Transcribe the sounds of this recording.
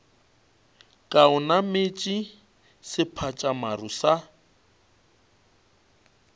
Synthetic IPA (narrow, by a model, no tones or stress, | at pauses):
kʼaʊnamet͡ʃʼi | sɪpʰat͡ʃʼamarusa